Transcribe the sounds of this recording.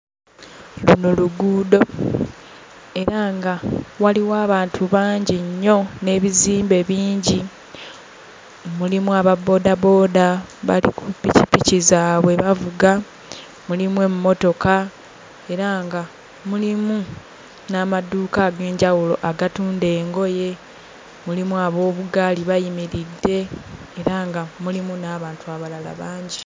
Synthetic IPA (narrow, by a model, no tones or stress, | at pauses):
luno̞luɡuːdo̞ | e̞ɾaŋɡawaliwaːβaːntʰuβaːɲɟiɲːo̞ne̞ːβiziːmbe̞βiːɲɟi | omulimuaβabo̞ːdabo̞ːdaβa̰lḭkupicipicizaːβwe̞βavuɡa | mulimwe̞mumːo̞to̞ka | e̞ɾaŋɡa | mulimu | naːmaduːkaːɡe̞ːɲɟawulo̞̰ʔaɡatuːnde̞ːŋɡo̞je̞ | mulimuaβo̞ːβuɡaːliβajimiɾidːe̞ːɾaŋɡamulimunaːβaːntuaβalala̰βaːɲɟi